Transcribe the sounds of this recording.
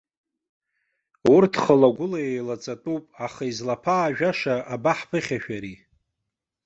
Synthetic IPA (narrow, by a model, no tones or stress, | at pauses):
urtʰχəlaɡʷʊlaejlat͡sʼatʼupʼaχaizlapʰaːʒᶣaʂaʔabaħpʰɨχʲaʃᶣaɾi